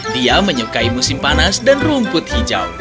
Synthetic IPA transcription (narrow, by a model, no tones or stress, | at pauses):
diaməɲəkaimusimpanasdanrumpʊt̪̚hid͡ʒa̰u